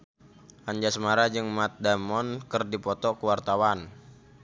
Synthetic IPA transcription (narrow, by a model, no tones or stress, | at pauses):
ʔaɲd͡ʒasəmaɾad͡ʒɨŋmat̪̚damɔnkərdipɔt̪ɔkəwart̪awan